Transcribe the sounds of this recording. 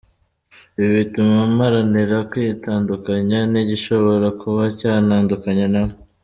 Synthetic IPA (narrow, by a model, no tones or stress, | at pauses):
iβitumamaɾaniɾakwiitaːndukaɲaniɟiʃo̞βo̞ɾakʰuβacaːnaːndukaɲanamo